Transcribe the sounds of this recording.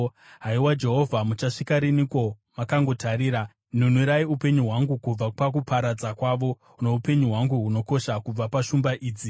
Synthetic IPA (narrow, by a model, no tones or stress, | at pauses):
ɦaiwad͡ʒe̞ɦo̞vʱamut͡ʃaʂikaɾiniko̞ | makaŋɡo̞tʰaɾiːɾa | nun̤uɾaiupe̞ɲuɦwaŋɡukub͡vapak̬upʰaɾad͡zakwaʋo̞ | une̞upe̞ɲuɦwaŋɡuɦuno̞ko̞ʃakub͡vapaʃumbaʔiːd͡zi